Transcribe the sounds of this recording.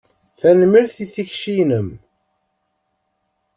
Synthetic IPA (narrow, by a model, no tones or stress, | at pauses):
θænmiɾθiθiçʃinəm